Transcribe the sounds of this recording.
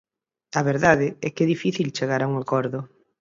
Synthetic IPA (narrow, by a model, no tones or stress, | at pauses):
aβeɾðaðɪɛkɛðifiθilt͡ʃeɣaɾauŋakɔɾðʊ